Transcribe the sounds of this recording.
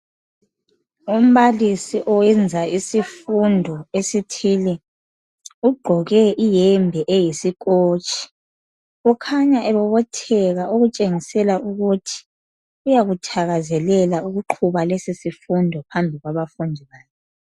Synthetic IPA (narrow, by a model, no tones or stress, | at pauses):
um̩βalisiʔɔwɛnd͡zʱaisifundʱɔesitʰilɛ | uɡ͡ǃʱɔɣɛʔijɛmbʱɛʔejisikʼoːt͡ʃʼi̥ | ɔkʰaɲaʔɛβɔβɔtʰɛɣaoɣut͡ʃʼeŋisɛlaʔuɣutʰi̥ | ujaɣutʰaɣazɛlɛlauɣuǃʰuβalesisifundʱɔpʰambʱiɣwaβafundʱiβaːkʰɛ